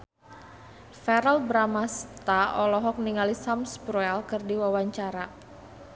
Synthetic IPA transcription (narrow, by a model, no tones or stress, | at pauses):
fɛɾəlbɾamast̪aɔlɔɦɔk̚niŋalisamsbɾuɛlkɨrdiwawaɲt͡ʃaɾa